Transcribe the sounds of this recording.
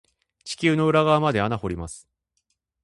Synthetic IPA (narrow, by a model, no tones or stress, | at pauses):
t͡ɕi̥kʲɨːno̞ɯ̟ɾaɡaːmad̪e̞anaho̞ɾʲimasɨ̥